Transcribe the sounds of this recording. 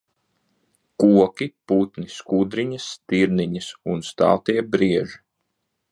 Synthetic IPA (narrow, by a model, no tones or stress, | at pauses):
kuɔkʲiput̪niskuːd̪ɾiɲɐst̪iɾniɲɐsunst̪ɑ̰ːt̪iɛbɾiɛʒi